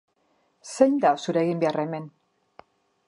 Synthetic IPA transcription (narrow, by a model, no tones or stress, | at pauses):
sejnd̪asuɾeɣimbe̞areme̞n